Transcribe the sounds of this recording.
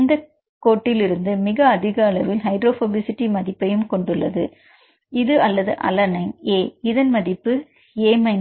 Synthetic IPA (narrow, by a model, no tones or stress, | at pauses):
nd̪ɐ | koːʈːɪlɪɾɯnd̪ɯmɪɣɐːðɪɣɐːlɐʋɪlɦɐɪɖɾoːfoːbɪsɪʈːimɐðɪpːɐjɯmkɔɳɖɯɭːɐ̰ðɯ̰ | ɪðɯɐlːɐðɯ̰ʔɐ̰lɐnɐɪŋeːɪðɐnmɐðɪpːɯ | eːmɐɪn